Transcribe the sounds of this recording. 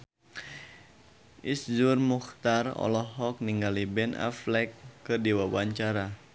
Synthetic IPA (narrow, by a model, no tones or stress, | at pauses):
ʔisd͡ʒurmuxt̪arɔ̰lɔhɔk̚niŋɡalibɛnʔa̰flɛkːɨrdiwawaɲt͡ʃaɾa